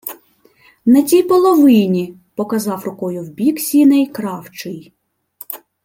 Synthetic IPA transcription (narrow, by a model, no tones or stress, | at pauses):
nɐtʲijpɔlˠɔʋɪnʲi | pɔkɐzɑwrʊkɔjʊwbʲiksʲinɪjkɾɑwt͡ʃɪj